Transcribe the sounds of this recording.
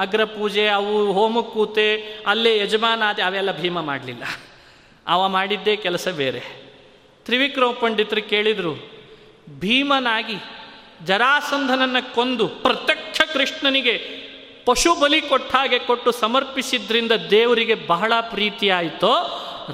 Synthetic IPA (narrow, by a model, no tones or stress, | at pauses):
ɐɡɾɐpuːd͡ʒeɐʋuɦoːmukːuːt̪eɐlːejɛd͡ʒɐmaːnaːd̪eɐʋɛlːɐbʱiːmɐma̰ːɽlilːɐ̰ | aʋɐmaːɽid̪ːeːkɛlɐsɐbḛːɾe | t̪ɾiʋikɾoːpɐɳɖit̪ɾukeːɭid̪ɐɾu | bʱiːmɐnaːɡi | d͡ʒɐɾaːsɐnd̪ʱɐnɐnːɐkond̪upɾɐt̪jɐkt͡ʃʰɐkɾɨʂɳɐniɡe̞ | pɐʂubɐlikoʈʰːaːɡe̞koʈːusɐmɐɾpisid̪ːɐɾind̪ɐd̪eːʋɐɾiɡe̞bɐɦɐɭɐpɾiːt̪ijaːjt̪oː